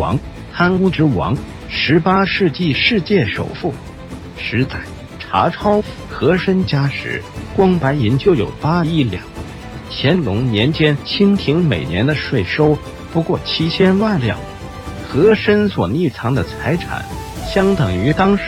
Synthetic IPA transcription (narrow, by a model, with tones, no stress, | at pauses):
ɑ̰˧˥ŋ | t̪ʰa˥nu˥ʈ͡ʂɻ̩˧˥wɑ̰˧˥ŋ | ʂɻ̩˧˥pa˥ʂɻ̩˥˧t͡ɕi˥˧ʂɻ̩˥˧t͡ɕjɛ˥˩ʂo˨˩ʊfu˥˩ | ʂɻ̩˧˥t͡sa˥˩ɪ | ʈ͡ʂʰa̰˧˥ʈ͡ʂʰɑ˥ʊ | xɤ˧˥ʂə˥nt͡ɕja˥ʂɻ̩̰˧˥˦kwɑ˥ŋpa˧˥ɪi˧˥nt͡ɕjo˥˩ʊjo̰˨˩ʊpa˥˧i˥˩ljɑ̰˨˩˦ŋ | t͡ɕʰjɛ˧˥nlʊ˧˥ŋnjɛ˧˥nt͡ɕjɛ˥nt͡ɕʰi˥nt̪ʰi˧˥ŋmḛ˨˩ɪnjɛ˧˥nd̪ə˧ʂwe˥˩ɪʂo˥ʊ | pu˧˥kwɔ˥˩t͡ɕʰi˥t͡ɕʰjɛ˥nwa˥˩nljɑ̰˥˩˦ŋ | xɤ˧˥ʂə˥nswɔ̰˨˩ni˥˩t͡sʰɑ˧˥ŋd̪ə˧t͡sʰa˧˥ɪʈ͡ʂʰa̰˨˩˦nɕjɑ˥ŋt̪ɤ˨˩ŋy˧˥t̪ɑ˥ŋʂ